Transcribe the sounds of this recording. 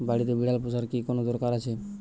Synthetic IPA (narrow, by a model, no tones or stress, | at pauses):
baɽit̪ebiɽalposaɾkikonod̪ɔɾkaɾat͡ɕʰe